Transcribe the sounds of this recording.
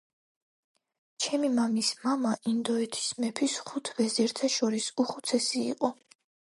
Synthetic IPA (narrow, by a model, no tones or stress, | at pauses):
t͡ʃʰɛmimamismamaʔind̪ɔɛt̪ʰi̥smɛpʰisχut̪ʰvɛzɛɾt̪ʰaʃɔɾisuχut̪sʰɛsḭːqʼɔ